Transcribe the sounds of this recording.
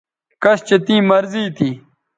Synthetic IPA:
kɐst͡ɕet̪ĩːmɐɾziːt̪i

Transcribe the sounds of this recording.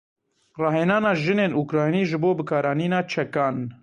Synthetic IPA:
rɑːɦenɑːnɑːʒɨneːnukɾɑːjniːʒɨboːbɨkɑːɾɑːniːnɑːt͡ʃʰɛkɑːn

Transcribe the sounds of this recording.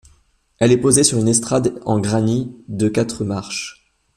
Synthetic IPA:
ɛlɛpozesyʁynɛst̪χad̪ɑ̃ɡʁanid̪əkat̪χəmaʁʃ

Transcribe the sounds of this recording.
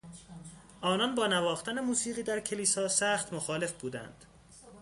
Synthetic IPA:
ʔɒːnɒnbɒːnævɒːxt̪æne̞muːsiːʁiːd̪æɾcʰeliːsɒːsæːχt̪moxɒːle̞fbuːd̪æ̰nd̪̥

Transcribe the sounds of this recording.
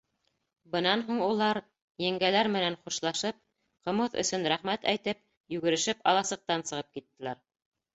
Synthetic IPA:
bɤ̆nɑnɦuɴulˠɑɾ | jɘ̆ŋɡælæɾmɘ̆nænχuʃlˠɑʃɤp̚ | qɤ̆mɤðɵ̰̆sɵnɾæχmæt̪æjt̪ɘp̚ | jʉɡɘ̆ɾɘ̆ʃɘpɑlˠɑsɤ̆q̚t̪ɑnsɤ̆ʁɤp̚kit̪ːɘ̆læɾ

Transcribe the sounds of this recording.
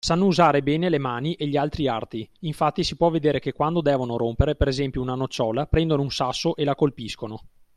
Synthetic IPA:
sanːouzaːɾebɛːnelemaːniʔeʎːialt̪ɾiart̪iiɱfat̪ːisipwɔvːed̪eːɾekekːwand̪od̪ɛːvonoɾompeɾepeɾezɛmpjounanot͡ʃːɔːlapɾɛnd̪onounsasːoʔelakolpiskono

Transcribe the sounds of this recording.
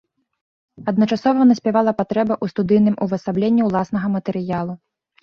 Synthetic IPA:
ɐd̪nɐt͡ʂasɔvɐnɐsʲpʲavalˠɐpat̪ɾɛbɐʔust̪ud̪ɨjnɨmuvɐsablʲenʲːiwlˠasn̪ɐɣɐmɐt̪ɛɾɨjalˠu

